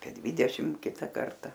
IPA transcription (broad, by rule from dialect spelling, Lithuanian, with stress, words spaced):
ɐpʲiɛ ˈdʲʋʲiːdʲɛʃʲɪm ˈkʲɪtɐ ˈkɐrtɐ